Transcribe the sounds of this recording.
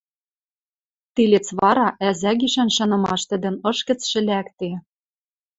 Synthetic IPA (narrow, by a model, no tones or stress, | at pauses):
t̪ilʲet͡sβɑɾɑʔæzæɣiʃænʃɤ̆nɤ̆mɑʃt̪ɘ̆d̪ɘ̆nɤ̆ʃkɘ̆t͡sʃɘ̆lækt̪e